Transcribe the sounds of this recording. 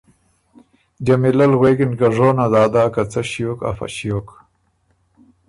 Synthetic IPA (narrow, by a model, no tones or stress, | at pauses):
d͡ʒamilalɣwekɪnkaʐoːnad̪aːd̪aːkat͡saɕijoka̰fa̰ɕijok